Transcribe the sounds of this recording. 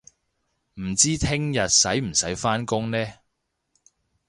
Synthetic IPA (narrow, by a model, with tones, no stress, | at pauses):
m̩˨˩t͡siː˥t̪ʰɪ˥ŋjɐ˨t̚sɐ˨˥jm̩˨˩sɐ˨˥jfaː˥nkʊ˥ŋnɛː˥